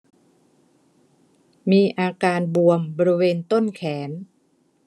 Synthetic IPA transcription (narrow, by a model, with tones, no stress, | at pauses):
miː˧ʔaː˧kaː˧nbu˧əmbɔː˧ɾi˦˧weː˧nt̪o˥˩nkʰɛː˩˦n